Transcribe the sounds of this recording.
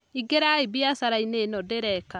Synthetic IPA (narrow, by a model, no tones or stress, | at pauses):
iɡeɾaibiasaɾainenɔdeɾɛka